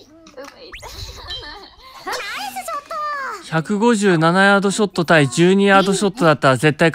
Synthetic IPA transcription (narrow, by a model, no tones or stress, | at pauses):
çakɯ̟ɡo̞ʑɨːnanajaːd̪o̞ɕo̞t̪ːo̞t̪aid͡ʑɨːɲ̟ijaːd̪o̞ɕo̞t̪ːo̞d̪at̪ːaɾaze̞t̪ːaik